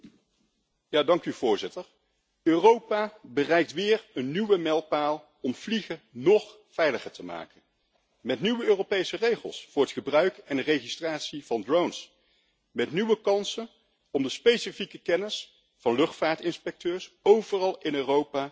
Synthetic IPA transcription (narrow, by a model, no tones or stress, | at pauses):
jaːdɑŋkyvʊːɹzɪtəɹ | øːrowpabərɛjk̚tʋɪːrənːyʋəmɛlˠpaːlˠ | ɔmv̥liχənɔχ | fɛjləχəɹtəma̰ːkən | mɛtnyʋəøːropejsərejχə̰lˠsfʊːɹətχəbrœɥkɛnərejχistraːtsivɑndrowns | mɛtnyʋəkɑnsən | ɔmdəspejsəfikəkɛnəs | fɑnlɵχtfaːɹtɪnspɛk̚tøːɹsowvərɑlˠɪnøːrowpaː